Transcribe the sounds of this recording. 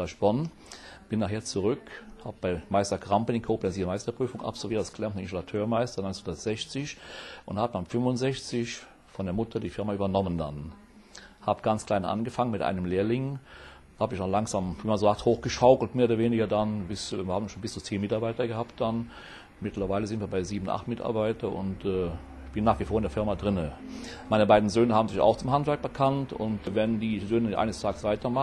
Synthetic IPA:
aʃb̥ɔn | b̥ɪnːaχheːɐt͡suʁʏkhaːbəb̥aɪmaɪstɐkʁampənɪnkʰoːplɛnziːɐmaɪstɐpʁ̥yːfʊŋa̰pz̥ɔlviːɐtasɡ̥lɛmtn̩nɪnzolatʰøːɐmaɪstɐnɔʏnt͡senhʊndɐtz̥ɛçt͡sɪçʔʊnthaːbədanfʏmvʊntz̥ɛçt͡sɪç | fɔndeːɐmʊtʰɐdiːfɪɐmayːbɐnɔmənda̰n | haːbəɡ̥ant͡skl̥aɪnʔa̰nɡəfaŋənmɪtʔa̰ɪnəmleːɐlɪŋ | haːbəɪçnɔlaŋzaːmviːmanzoːzaːkthoːxɡ̥əʃaʊkl̩tmeːɐoːdɐveːnɪɡɐdanbɪsɐhaːbmnʃoːnbɪst͡suːt͡seːnmɪtaɐbaɪtɐɡəhaːpt̚d̥an | mɪtʰlɐvaɪləzɪntviɐbaɪziːbn̩ʔa̰χtmɪtʰa̰ɐbaɪtʰɐʔʊ̰ntɛː | ɪçb̥ɪnːaːχv̥ifoːɐɪndeːɐfɪɐmadʁɪnəmaɪnəbaɪdn̩zøːnəhaːbm̩zɪça̰ʊxt͡sʊmhantv̥ɛɐk̚b̥əkʰantʊ̰ntvɛndiːzøːnəʔa̰ɪnəstʰaːɡəsv̥aɪtɐma

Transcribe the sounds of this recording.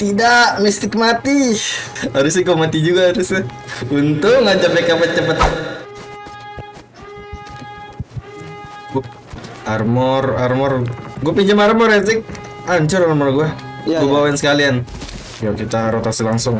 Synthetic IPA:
t̪idaʔmist̪ɪk̚mat̪i | aɾʊsikomat̪id͡ʒuɡaaɾʊsɪunt̪ʊkŋad͡ʒamekapət̪̚t͡ʃəpət̪a | armɔrarmɔrɡuapiɲd͡ʒamarmɔrasɪk̚ | aɲt͡ʃʊɾarmɔrɡua | ɡuabawaɪnsə̥kalian | jakit̪aɾot̪asilaŋsʊŋ

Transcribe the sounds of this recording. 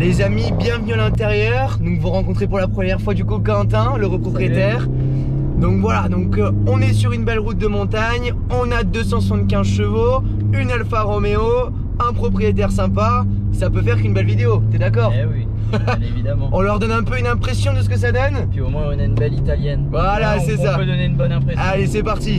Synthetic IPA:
lezamibjɛ̃vənyalɛ̃t̪eʁjœʁd̪ɔ̃kvuʁɑ̃kɔ̃t̪χepuʁlapχəmjɛʁfwad̪ykukɑ̃t̪ɛ̃ləʁopχɔpχijet̪ɛːʁ | d̪ɔ̃kvwalad̪ɔ̃k | ɔ̃nɛsyʁynbɛlʁut̪̚d̪əmɔ̃t̪aɲ | ɔ̃nad̪øsɑ̃səsɛ̃nt̪kʲɛ̃zʃəvo | ynɛlfaʁɔmeo | ɛ̃pχɔpχijet̪ɛʁsɛ̃pa | sapøfɛʁkynbɛlvid̪eot̪ɛd̪ak̬ɔːʁwi | evid̪amɑ̃ɔ̃lœʁd̪ɔnɛ̃pøynɛ̃pχesjɔ̃d̪əs̬ə̥kəs̬ad̪ɔnpiomwɛ̃ɔ̃naynbɛlit̪aljɛnvwalasɛsapød̪ɔneynbɔnɛ̃pχealesɛpaʁt̪i

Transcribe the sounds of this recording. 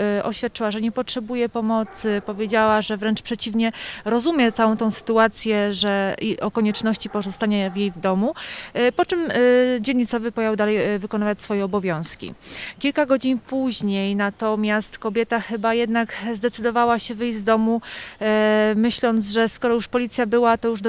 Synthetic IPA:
ɔ̰ɕfʲjat̪̚t͡ʂɘwaʐɛɲɛpɔtʂɛbujɛpɔmɔt̪sɘpɔvʲjed͡ʑawaʐɛvɾɛnt͡ʂpʂɛt͡ɕivɲɛɾɔzumʲjɛt̪sawɔ̃w̃t̪ɛ̃w̃sɘ̥t̪uat̪sʲjɛʐɛiʔɔkɔɲɛt͡ʂnɔɕt͡ɕipɔzɔst̪aɲavjejvd̪ɔmupɔt͡ʂɘmd͡ʑɛlɲːit̪sɔvɘpɔjawd̪alɛjvɘkɔnavat͡ɕsfɔjɛɔbɔvʲjɔ̃w̃skʲḭkʲilkaɡɔd͡ʑinpuʑɲejnat̪ɔmʲjast̪kɔbʲjɛt̪axɘbajɛd̪nakzd̪ɛt̪sɘd̪ɔvawaɕɛvɘjd͡ʑzd̪ɔmu | mɘɕlɔnd̪zʐɛskɔɾɔjuʂpɔlʲit̪sʲjabɘwat̪ɔjuʐd̪

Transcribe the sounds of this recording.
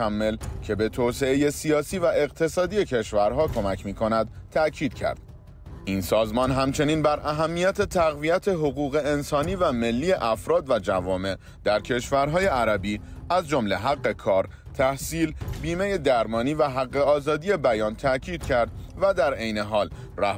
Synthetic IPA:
æmːe̞lcʰe̞be̞t̪ʰoːse̞eje̞siɒːsiːvæʔe̞ɣt̪ʰe̞sɒːd̪ije̞cʰe̞ʃvæɾɦɒːkʰo̞mæcʰmiːkʰo̞næd̪̚t̪ʰæcʰiːd̪̥cʰæ̰ɾd̪̥̚ | ʔinsɒːzmɒːnɦæmt͡ʃʰe̞niːnbæɾʔæɦæmːijæt̪ʰe̞t̪ʰæɣvijæt̪ʰe̞ɦoɣuːɣe̞ensɒːniːvæme̞lːiːje̞ʔæfɾɒːd̪væd͡ʒævɒːme̞ʔ | d̪̥æɾcʰe̞ʃvæɾɦɒːje̞ʔæɾæbiːæzd͡ʒo̞mle̞ɦæɢːe̞kʰɒːɾ | t̪ʰæhsiːlbiːme̞je̞d̪æɾmɒːniːvæɦæɢːe̞ɒːzɒːd̪ije̞bæjɒːnt̪ʰæcʰiːd̪̥̚cʰæɾd̪̚væd̪æɾe̞jne̞ɦɒːl | ræ

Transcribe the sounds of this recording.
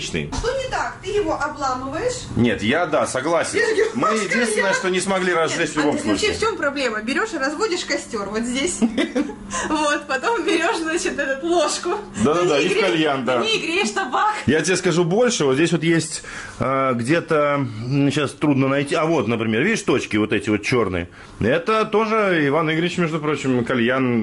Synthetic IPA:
t͡ɕnɨ̰ʂt̪onʲɪt̪akt̪ɨjɪvoʔɐblˠamɨvəjɪʂnʲe̞̰t̪jad̪asɐɡlˠasʲɪnnʲmɨjɪdʲinst̪vʲɪnəjəʂt̪o̞nʲɪsmɐɡlʲiɾɐzːɛt̪ʲvlʲʊbo̞mslˠut͡ɕɪft͡ɕompɾɐblʲeməbʲɪɾʲo̞ʂrɐzvodʲɪʂkɐsʲtʲo̞rvot̪zʲdʲesʲ | vot̪pɐt̪ombʲɪɾʲo̞ʂznat͡ɕɪt̪ɛt̪ʊt̪lˠoʂkʊd̪ad̪ad̪aikɐlʲjand̪aiɡɾʲeʂt̪ɐbakjatʲɪeskɐʐubo̞lʲʂɨvot̪zʲdʲesʲvo̞t̪jesʲtʲ | aɡdʲe̞t̪əɕast̪ɾud̪nənɐjtʲiɐvo̞t̪nəpɾʲɪmʲe̞rvʲidʲɪʂt̪o̞t͡ɕkʲɪvo̞t̪ɛtʲɪvo̞t̪t͡ɕo̞rnɨ̰jə̰ | ɛt̪ət̪o̞ʐɨɪvanɨɡɾʲɪt͡ɕmʲeʐd̪ʊpɾo̞t͡ɕɪmkɐlʲjan

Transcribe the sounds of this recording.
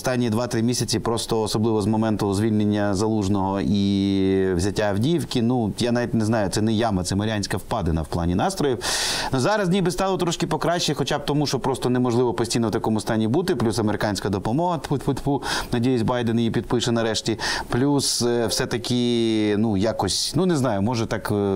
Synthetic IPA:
ɔst̪ɑnʲːid̪ʋɑt̪ɾɪmʲisʲɐt͡sʲipɾɔst̪ɔːsɔblˠɪʋɔzmɔmɛnt̪ʊzʲʋʲilʲnenʲːɐzɐlˠuʒnɔɦɔi | wzʲɐtʲːawdʲiwkʲinujanaʋʲitʲneznɑjʊt̪sɛnɛjamɐt̪sɛmɐɾʲɪanʲsʲkɐwpɑd̪enɐ̰wplˠɑnʲinɑst̪ɾɔjiwnʊzɑɾɐznʲijbɪst̪ɑlˠɔt̪ɾɔʃkɪpɔkɾɑʃːɛxɔt͡ʃab̚t̪ɔmuʃɔpɾɔst̪ɔnɛmɔʒlˠɪʋɔpɔsʲtʲijnɔwt̪ɐkɔmʊst̪ɑnʲibut̪ɪplʲusɐmeɾɪkɑnʲsʲkɐd̪ɔpɔmɔɦɐt̪ʊt̪pʊt̪ʲpunɐdʲejɪsʲbɑjd̪enɐjipʲid̪̚pɪʃɛnɐɾɛʃtʲiplʲuswsɛt̪ɐkɪnujakɔsʲnuneznɑjʊmɔʒɛt̪ɑk

